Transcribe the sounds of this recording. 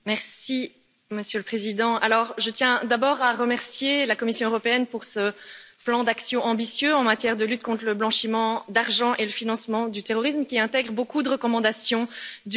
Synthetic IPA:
mɛʁsi | məsjøləpχezid̪ɑ̃ʔa̰lɔʁʒət̪jɛ̃d̪abɔːʁaʁəmɛʁsjelakɔmisjɔ̃øʁɔpeɛnpuʁsə | plɑ̃d̪aksjɔ̃ʔɑ̃bisjøɑ̃mat̪jɛʁd̪əlyt̪̚kɔ̃t̪χləblɑ̃ʃimɑ̃d̪aʁʒɑ̃ʔeləfinɑ̃smɑ̃d̪yt̪eʁɔʁismkʲiɛ̃t̪ɛɡʁəbokud̪əʁəkɔmɑ̃d̪asjɔ̃d̪

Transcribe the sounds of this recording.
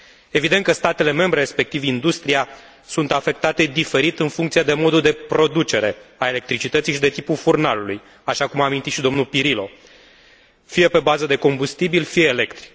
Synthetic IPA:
e̞vid̪ent̪kəst̪at̪e̞le̞me̞mbɾe̞ɾespe̞k̚t̪ivind̪ust̪ɾija | sunt̪afe̞k̚t̪at̪e̞d̪ife̞ɾit̪ɨnfuŋkt̪sijed̪e̞mo̞d̪uld̪e̞pɾo̞d̪ut͡ʃe̞ɾe̞ae̞le̞k̚t̪ɾit͡ʃit̪ət̪siʃid̪e̞t̪ipulfurnaluluj | aʃakumaːmint̪it̪ʃid̪o̞mnulpiɾilo̞ | fije̞pe̞bazəd̪e̞ko̞mbust̪ibilfijeːle̞kt̪ɾi̥k

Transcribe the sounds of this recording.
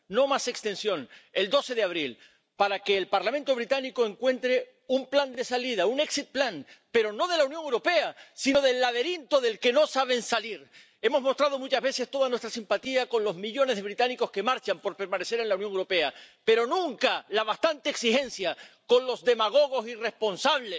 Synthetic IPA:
no̞mase̞kst̪e̞nsjõ̞ne̞ld̪o̞se̞ðeaβ̞ɾil | paɾake̞ːlpaɾlamẽ̞nt̪o̞β̞ɾit̪aniko̞e̞ŋkwẽ̞nt̪ɾe̞ | umpland̪e̞saliðaune̞ksit̪̚planpe̞ɾo̞no̞ð̞e̞launjoŋewɾo̞pe̞asino̞ðe̞lːaðe̞ɾint̪o̞ðe̞lke̞no̞saβ̞e̞nsaliɾ | e̞mo̞zmo̞st̪ɾað̞o̞mut͡ʃazβe̞se̞st̪o̞ð̞anwest̪ɾasimpat̪iako̞nlo̞zmiʎo̞nezðe̞β̞ɾit̪aniko̞ske̞maɾt͡ʃampo̞ɾpe̞ɾmãne̞se̞ɾe̞nlaunjoŋewɾo̞pe̞ape̞ɾo̞nũŋkalaβast̪ant̪e̞ːksixẽ̞nsjako̞nlo̞zðe̞maɣ̞o̞ɣ̞o̞sire̞spo̞nsaβ̞les

